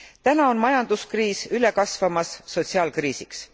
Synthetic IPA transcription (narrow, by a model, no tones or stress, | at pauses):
t̪ænɑo̞nmɑjɑnd̪̥uskriːsyle̞kɑsvɑmɑsːo̞t̪ʲsiɑːlkriːsiks